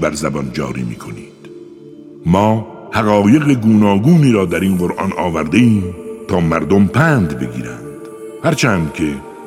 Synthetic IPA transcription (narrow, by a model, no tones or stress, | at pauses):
bæɾzæbɒnd͡ʒɒ̰ːɾḭːmḭːkʰo̞niːd̪̥ | mɒː | hæɣɒːje̞ɣeɡuːnɒːɡuːniːɾɒːd̪æɾiːnɢoɾʔɒ̰nɒːvæɾd̪eiːmt̪ʰɒːmæɾd̪o̞mpʰæːnd̪be̞ɡḭːɾænd̪̥ | hæɾt͡ʃʰæːnd̪kʲʰe